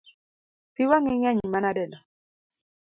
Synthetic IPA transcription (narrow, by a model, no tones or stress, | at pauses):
piwaŋɪɲaɲmanadɛlɔ